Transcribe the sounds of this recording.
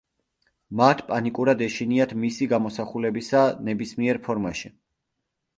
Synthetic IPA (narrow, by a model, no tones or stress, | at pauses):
mat̪ʰpʼanikʼuɾad̪ɛʃiniat̪ʰmisiɡamɔsaχulɛbisanɛbismiɛɾpʰɔɾmaʃi